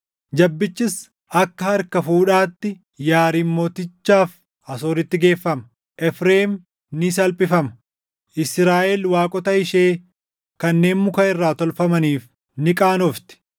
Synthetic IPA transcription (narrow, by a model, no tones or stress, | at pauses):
d͡ʒɐbːɪt͡ʃːɪs | ɐkːɐhɐɾkɐfuːᶑaːt̪ːɪ | jaːɾiːmːo̞ːt̪ɪt͡ʃːaːf | ɐsoːɾɪt̪ːɪɡe̞ːfːɐmɐ | ʔɛfɾeːm | nɪsɐlpʼɪfɐmɐ̥ | ʔɪsɾaːʔɛlwaːkʼɔt̪ɐɪʃe̞ː | kɐnːe̞ːnmʊkɐɪrːaːt̪ɔlfɐmɐniːf | nɪkʼaːnɔft̪ɪ̥